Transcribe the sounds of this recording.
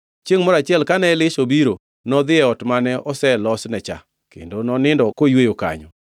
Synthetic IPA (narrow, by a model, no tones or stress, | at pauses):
t͡ʃeŋmɔɾat͡ʃɪɛlkanɛlɪʃobiɾo | nɔd̪ɪɛɔtmanɛɔsɛlɔsnɛt͡ʃa̰ | kḛndonɔnɪndɔkojwejoka̰ɲɔ̰